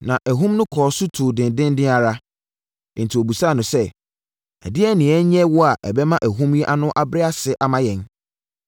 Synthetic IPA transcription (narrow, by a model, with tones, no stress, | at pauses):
nã˨ʔæ˨ɦũ˦mnʊ̃˦kʰɔː˨sʊ˦tʰuː˨dɪ̃˨ndɪ̃˦n˦dɪ̃˦a˨ɾã˦˨ | n˨tʰi˨o˨bu˨sa˦˨nʊ̃˨sɛ˦ | ɛ̰˨dɪ˦ɛ˦nɪ̃˨ɛ˦ɲɛ̃˦wʊ˦a˨ʔɛ̰˨bɛ˦mã˦ʔæ˨ɦũ˦mjɛ˦ʔa˦nʊ̃˦ʔa˦bɾɪ˦a˦sɪ˨ʔa˨mã˦jɛ̃˨n